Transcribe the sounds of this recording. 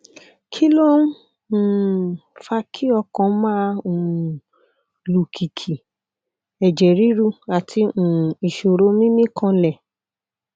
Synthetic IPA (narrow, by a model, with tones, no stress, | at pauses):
kʰi˦lo˦n̩˦˨ | fa˧kʰi˦ɔ˧kɔ̃˨˦mã˦o˨ | lu˨kʰi˨kʰi˨ | ɛ˨d͡ʒɛ˨ɾi˦ɾu˦˧a˨tʰi˧ũ˨i˨ʃo˨ɾo˧˦mĩ˦mĩ˦kʰã˧lɛ˦˨